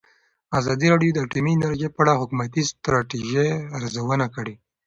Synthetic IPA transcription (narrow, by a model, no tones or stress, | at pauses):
azɑd̪iɾɑɽijod̪əːʈuminaɾʒepaɽaɦʊkumat̪ist̪ɾɑʈiʒeaɾzawənakəɽe